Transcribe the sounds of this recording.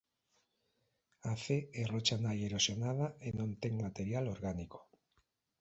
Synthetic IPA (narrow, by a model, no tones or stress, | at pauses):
aθeerot͡ʃanajeɾosjonað̞aenõnt̪eŋmat̪eɾjaloɾɣaniko̥